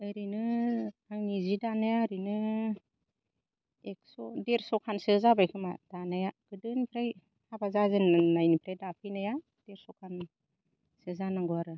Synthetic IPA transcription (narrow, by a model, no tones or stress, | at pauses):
ɯjɾinɯaŋnizidanajaɾinɯ | ek̚sɔdeɾsɔkʰansɯzabajkʰɯmad̥anajaɡ̥ɯdɯnipʰɾaj | habazazɯnnajnipʰɾajdapʰinaja | d̥eɾsɔkʰan | sɯzanaŋɡɯaɾɯ